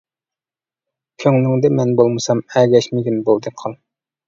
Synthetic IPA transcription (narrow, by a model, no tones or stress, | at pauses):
kʲʰøŋlɪŋd̪ɛmɛnbolˠmɨsɑmɛɡʲɛʃmɪɡʲinbolˠd̪ɨqʰɑlˠ